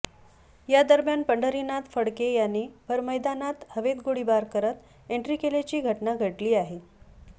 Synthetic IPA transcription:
jad̪əɾmjanpəɳɖəɾinat̪fəɽkejanːiːbʱəɾməjd̪anat̪həʋed̪ɡoɽibaɾkəɾət̪ | eɳʈɾiːkelet͡ɕiːɡʱəʈnaɡʱəʈliːaɦe

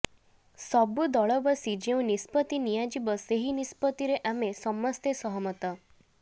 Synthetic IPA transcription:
sɔbud̪ɔɭɔbəsid͡ʑẽw̃nispət̪inijad͡ʑibəseɦinispət̪iɾeʔamesɔmːəst̪esɔɦɔmət̪ə

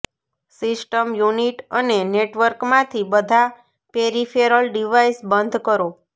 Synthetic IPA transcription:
sɪsʈəmjuniʈəneneʈʋəɾkmãt̪ʰibəd̪ʱa | peɾifeɾəlɖiʋaisbənd̪ʱkəɾo

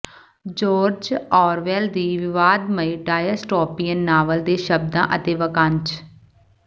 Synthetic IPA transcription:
d͡ʒoːɾd͡ʒɔːɾʋɛːld̪iːʋɪʋaːd̪məiːɖaːjəsʈɔːpiːjənːaːʋəld̪eːʃəb̚d̪ã̰ːʔət̪eːʋəkãnt͡ʃ

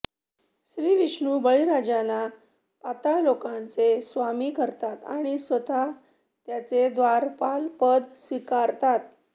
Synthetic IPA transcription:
sɾiːʋiʂɳuːbəɭiɾad͡ʑala | pat̪alokãnt͡sesʋamiːkəɾt̪at̪a̰ɽ̃isʋət̪a | t̪jat͡sed̪ʋaɾpalpəd̪sʋikaɾt̪at̪̚

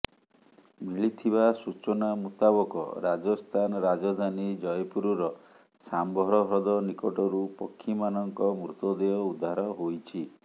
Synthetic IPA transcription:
miɭit̪ʰiβasut͡ʃɔnamut̪abɔkɔ̰ɾad͡ʒɔst̪ʰanɾad͡ʒɔd̪ʱanid͡ʒɔjpuɾuɾɔ | sambʱɔɾɔɦɾɔd̪ɔnikɔʈɔɾupɔkʰːimanɔŋkɔmɾut̪ɔd̪eɔud̪ʱːaɾɔɦojt͡ʃʰi

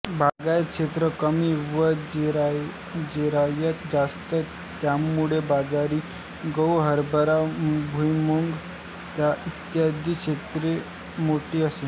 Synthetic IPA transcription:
bʱaɡajkʂet̪ɾəkəmiːʋəd͡ʑɾ | d͡ʑiɾajək̪d͡zast̪ə | t̪jamuɭebad͡zaɾiː | ɡəwɦəɾbʱəɾabʱujmuŋɡ | t̪jaʔit̪jad̪ʱikʂet̪ɾe | moʈiːəse

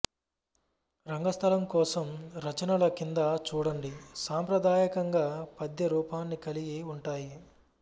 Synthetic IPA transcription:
ɾɐŋɡɐst̪ʰɐlɐmkɔːsɐmɾɐt͡ʃɐnɐlɐkind̪ɐt͡ʃuːɽɐɳɖisaːmpɾɐd̪aːjɐkɐŋɡaːpɐd̪jɐɾuːpaːnːikɐliɡiuɳʈaːji

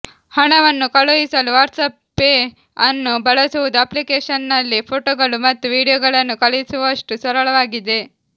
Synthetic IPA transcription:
hɐɳɐʋɐnːukɐɭojisɐluʋaːɾʈsɐpː | e | ɐnːubɐɭɐsuʋud̪uɐplikeːʂɐnːɐlːipʰoːʈoːɡɐɭumɐt̪ːuʋiːɽijoːɡɐɭɐnːukɐɭisuʋɐʂʈusɐɾɐɭɐʋaːɡid̪e̞

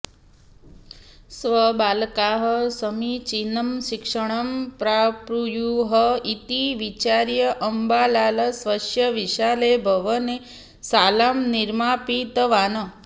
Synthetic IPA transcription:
sʋəbaːlkaɦəsəmit͡ʃinəmʃikʂəɳ̃ɐmpɾapɾujuɦəit̪iʋit͡ʃaɾjɐʔəmbaːlaːlɐsʋɐʃjɐʋiʃalebʱɐʋəne | salaːmniɾmaːpit̪ʋaːnə

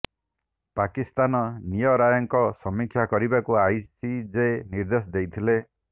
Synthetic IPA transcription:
pakist̪anɔnijɔɾajɔŋkɔsɔmikʰjakɔɾibakuajsid͡ʒeniɾd̪esɔd̪ejt̪ʰile

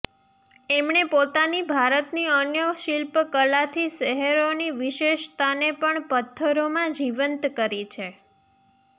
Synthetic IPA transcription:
emɳepot̪anibʱaɾət̪niənjəʃilpkəlat̪ʰiʃəɦeɾoniʋiʃeʃt̪ʰanepəɳpət̪ʰːəɾomãd͡ʒiʋənt̪kəɾit͡ʃʰe

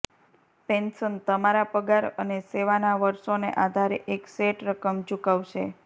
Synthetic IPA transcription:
pensənt̪əmaɾapəɡaɾəneseʋanaʋəɾʃonḛʔad̪ʱaɾeʔekseʈɾəkəmt͡ʃukaʋʃe

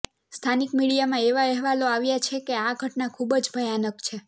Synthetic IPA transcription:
st̪ʰanikmiɽijamãeʋaɛɦʋaloaʋjat͡ʃʰekeaɡʱəʈnakʰubd͡ʒbʱəjanəkt͡ʃʰe

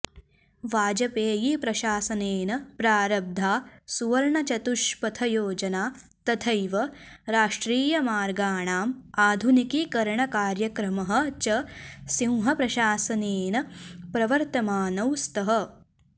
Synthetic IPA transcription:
ʋaːd͡ʒɐpeːjipɾɐʃaːsɐneːnɐpɾaːɾɐb̚d̪ʱaːsuʋɐɾɳɐt͡ʃɐt̪uʃpɐt̪ʰɐjoːd͡ʒɐnaːt̪ɐt̪ʰɐjʋɐɾaːʂʈɾiːjɐmaːɾɡaːɳaːmaːd̪ʱunikikɐɾɳɐkaːɾjɐkɾɐmɐɦɐ̆t͡ʃɐsĩw̃ɦɐpɾɐʃaːsɐneːnɐpɾɐʋɐɾt̪ɐmaːnɐwst̪ɐɦɐ̆

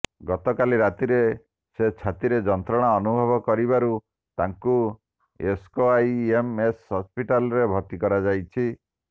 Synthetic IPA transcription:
ɡɔt̪ɔkaliɾat̪iɾe | set͡ʃʰat̪iɾed͡ʒɔnt̪ɾɔɽ̃aɔnubʱɔbɔkɔɾibaɾu | t̪aŋku | eskoajemeshɔspiʈalɔɾebʱɔt̪ikɔɾad͡ʒajt͡ʃʰi

